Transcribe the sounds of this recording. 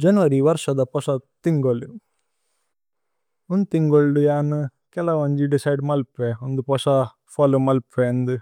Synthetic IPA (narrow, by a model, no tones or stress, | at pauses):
d͡ʒɐnʋɐɾiʋɐɾʂɐd̪ɐpɔsɐt̪iŋɡoli | ond̪ut̪iŋɡoɭɖujaːnukɛlɐʋɐɲd͡ʒiɖisɐjɖmɐlpʋeond̪upɔsɐ | pʰaːlomɐlpʋeɐnd̪u